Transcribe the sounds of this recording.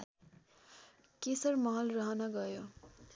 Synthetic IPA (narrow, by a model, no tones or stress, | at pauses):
kesʌrmʌɦʌlrʌɦʌnʌɡʌjo